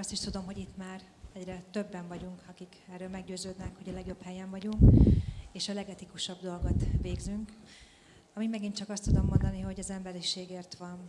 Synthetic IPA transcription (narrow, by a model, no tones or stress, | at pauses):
ɒst̪iʃt̪ud̪o̞mɦo̞ɟit̪ːmaːr | ɛɟrɛt̪øbːɛɱvɒɟuŋkʰɒkikɛrːøːlmɛɡɟøːzøːd̪nɛkho̞ɟɒlɛɡjo̞phɛjɛɱvɒɟuŋkeːʃɒlɛɡɛt̪ikuʃɒbd̪o̞lɡo̞t̪ʋeːɡzyŋk | ɒmimmɛɡint͡ʃɒkɒst̪ud̪o̞mːo̞nd̪ɒniɦo̞ɟɒzɛmbɛɾiʃeːɡeːrt̪ʋɒn